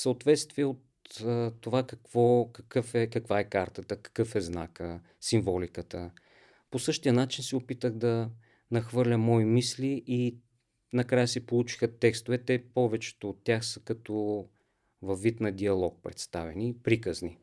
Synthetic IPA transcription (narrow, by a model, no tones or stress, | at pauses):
səot̪vɛt̪st̪viɛot̪ət̪ːovakɐkvɔkɐkɤfɛkɐkvaɛkaɾt̪ət̪əkɐ̥kɤfɛzna̰kə | siɱvɔlikət̪ə | posɤʃt̪iənat͡ʃinsɛopit̪əɣd̪ɐ | nɐxvɤɾlʲəmɔimisliʔi | nɐkɾajəsɛpolˠut͡ʃi̥xət̪ɛkst̪ovɛt̪ɛpɔvɛt͡ʃɛ̥t̪oːt̪ːʲjaxsə̥kɐt̪o | vɐfːit̪nɐd̪iɐlˠɔk̚pɾɛt̪st̪avɛnipɾikəzni